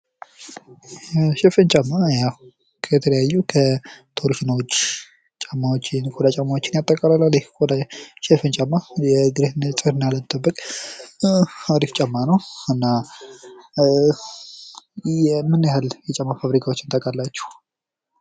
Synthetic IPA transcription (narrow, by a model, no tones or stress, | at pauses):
ʃɛfɨnt͡ʃʼamːaja | kʰət̪ʰələjajːukʰət̪ʰoɾiʃnwot͡ʃː | t͡ʃʼamːawot͡ʃːɪnkʰʼod̪at͡ʃʼamːawot͡ʃːɪnjat̪ʼːəkʼalalːalikʼod̪aʃɛfɨnt͡ʃʼamːajɛɡ̪ɨɾehɨnt͡sʼɨɾɨnːaləmɨt̪ʼːəbːəkʼ | aɾift͡ʃʼamːanəwɨnːa | ɛmːɨnːjahaljɛt͡ʃʼamːafaβɾikʰawo̞t͡ʃːɪnt̪ʼəkʼalːat͡ʃːɛ̥h